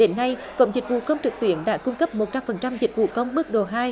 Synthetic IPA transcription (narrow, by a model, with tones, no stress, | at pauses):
ɗe˨˦nːa˧jkə̰˧˨wŋ͡mzi˨˩k̟̚vṵ˧˨˩kə˧wŋ͡mt͡ɕɨ˨˩k̚t̪wi˧˦ənɗa̰ː˧˥kʊ˧ŋ͡mkə˦˥p̚mo˨˩t̚t͡ɕa˧mfə˨˩nt͡ɕa˧mzï˨˩k̟̚vṵ˧˨˩kə˧wŋ͡mɓɨ˦˥ək̚ɗo˨˩ɦaː˧j